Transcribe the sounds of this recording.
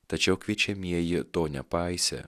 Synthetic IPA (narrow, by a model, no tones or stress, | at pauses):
t̪ɐt͡ʃɔkʋʲit͡ʃɛmʲjɛjit̪ɔnʲɐ̰pajsʲɛ̰